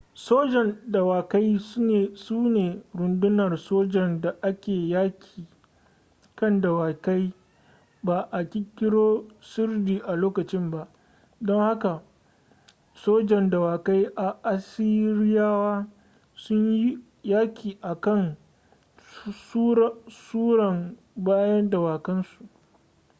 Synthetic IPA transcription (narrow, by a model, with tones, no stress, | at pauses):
soː˦d͡ʒɛ˨nda˨waː˨ka˦jsne˨suː˦neː˨ɾʊ˨ndʊ˦nɐ˨rsoː˦d͡ʒɛ˨nda˨ʔa˦kʲeː˨ja˦kʲi˨ | kɐ˦nda˨wa˨ka˦j | baː˨ʔa˨kʲi˦kʲːɪ˦ɽoː˦sʊ˦rdiː˨ʔa˨loː˦kɐ˨t͡ʃɪ˦mba˦ʔ | dɔ˦ŋha˦ka˨ | soː˦d͡ʒɛ˨nda˨waː˨ka˦jʔa˨ʔa˨sɪ˦ɾɪ˦jaː˦waː˦ | sʊ˦ɲji˦ | jaː˦kʲʰiː˨ʔa˨kɐ˦ŋ | suː˦ɽɐ˨m | baː˦jɐ˦nda˨waː˨kɐ˦nsu˨ʔ